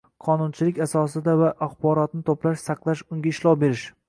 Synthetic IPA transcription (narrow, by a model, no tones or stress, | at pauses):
qʰɒnʊnt͡ʃʰɪlɪkʲasɒsɪd̪avaʔaχbɒɾɒt̪̚nɪt̪ʰoplaʃsaqlˠaʃʊŋɡʲaɪʃlˠɒwbe̞ɾɪʃ